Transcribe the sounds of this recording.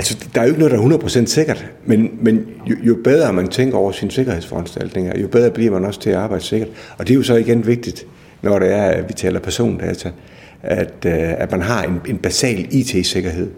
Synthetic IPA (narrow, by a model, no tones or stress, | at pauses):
ælsɒd̥ɑ̈æjoeɡ̥nɔð̩ˠdɑæɐɦunɐð̩ˠpʰʁo̝sen̰d̥se̝ɡ̥ɐd̥ | menmen | jojo̝b̥eð̞ˠɐmænt͡sʰeŋ̰ɡ̥ɐɒ̰ʊɐsinse̝ɡ̥ɐhe̝ð̰ˠsfɒænsd̥æl̰d̥ne̝ŋɐjo̝b̥eð̞ˠʁɐb̥liɐmænɒ̽st͡sʰe̝æɑ̈ːb̥ɑ̈ɪ̰d̥se̝ɡ̥ɐd̥ɒ̽d̥e̝jo̝sɒ̽iɡ̥enʋe̝ɡ̥̚d̥id̥ | nɒɾ̥eːɐʋit͡sʰɛ̰ːlɐpʰæɐso̝̰ːnd̥ɛ̰ːt͡sʰæ | æd̥æd̥mænɦɑ̈e̝ne̝nb̥æsɛ̰ːlḭːt͡sʰe̝̰se̝ɡ̥ɐɦe̝ð̞̰ˠ